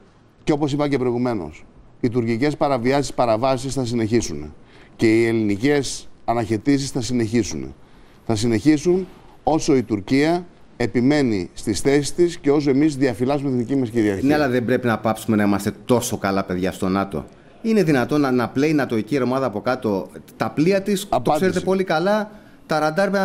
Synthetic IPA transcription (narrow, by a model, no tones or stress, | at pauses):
ceo̞po̞sipɐcepɾo̞iɣume̞no̞̰sit̪uɾcice̞spɐɾɐviɐsispɐɾɐvɐsisθɐs̬ine̞çisunḛce̞ie̞linice̞sɐnɐçe̞t̪is̬isθɐsine̞çisunḛ | θɐs̬ine̞çisun | o̞so̞it̪uɾciɐ | e̞pime̞nist̪isθe̞si̥st̪isceo̞s̬oe̞mizðiɐfilɐzumet̪inðicimɐsciɾiɐɾneɐlɐðembɾe̞pinɐpɐpsume̞nɐimɐst̪e̞t̪o̞so̞kɐlɐpe̞ðʝɐst̪o̞nɐt̪o̞̰ | ine̞ðinɐt̪o̞nɐnɐple̞inɐt̪o̞icieɾomɐðɐːpo̞kɐt̪o̞t̪ɐpliɐt̪ist̪okse̞ɾet̪̬po̞likɐlɐ | t̪ɐɾɐnd̪ɐɾpe